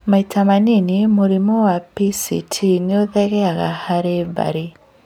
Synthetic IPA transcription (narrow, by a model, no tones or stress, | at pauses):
maitʰamaninimoɾimowapisḭtʰineoðɛɣɛaɣa̰haɾeba̰ɾi